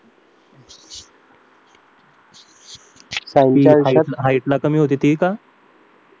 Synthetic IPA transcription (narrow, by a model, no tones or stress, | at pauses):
sanaɦaiʈlakəmiːɦot̪̬iːt̪iːka